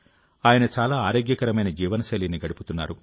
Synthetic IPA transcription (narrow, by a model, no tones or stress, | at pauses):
aːjɐnɐt͡ʃaːlaːaːɾoːɡjɐkɐɾɐmɐjnɐd͡ʒiːʋɐnɐsɐlinːiɡɐɽuput̪unːa̰ːɾu